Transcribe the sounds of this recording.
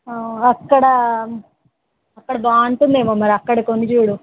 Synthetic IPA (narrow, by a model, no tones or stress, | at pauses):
aːɐkːɐɽɐ | ɐkːɐɽɐbaːɐɳʈund̪eːmoːmɐɾiɐkːɐɽɐkonːit͡ʃuːɽu